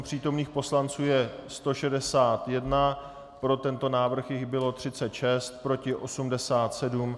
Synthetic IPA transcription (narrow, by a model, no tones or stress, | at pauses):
pr̝̥iːt̪o̞mniːxpo̞slant͡suːjɛst̪o̞ʃɛdɛsaːt̪jɛdna | pɾo̞t̪ɛnt̪o̞naːvr̩xjɪɣbɪlo̞t̪r̥ɪtt͡sɛt̪ʃɛst̪̚pɾo̞cɪʔo̞sumdɛsaːt̪sɛdum